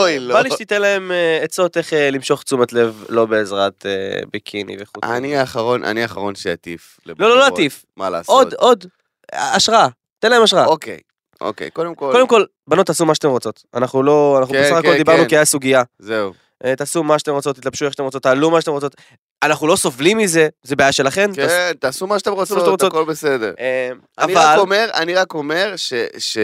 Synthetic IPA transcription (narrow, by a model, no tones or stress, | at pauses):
ojlbaliʃt̪it̪enlae̞meet͡so̞t̪eχelimʃo̞χt͡sumat̪le̞vlo̞beːzʁat̪ḛbekʰinḭveχua̰niaχaʁonʔa̰niaχaʁonʃea̰t̪ḭf | lelololoat̪if | mala̰sood̪ | aʃʁaa | t̪enlae̞maʃʁaaokḛj | o̰kḛjkod̪emkokod̪emko̞l | banot̪ːasumaʃat̪emʁo̞t͡so̞t̪anaχnulo̞anaχnubessaχako̞ld̪ibaʁnukiajasuɡiazeu | et̪aːsumaʃat̪emʁo̞t͡sot̪ːit̪lab̥ʃueʃat̪eʁot͡sot̪ːaːlumaʃateʁot͡so̞t̪ | anaχnulo̞sovlimːizezebeajaʃelaχe̞nknt̪asumaʃat̪emʁosomat̪emot͡sokolbesed̪eʁem | aanivaalomeʁa̰niʁako̞me̞ʁʃeʃe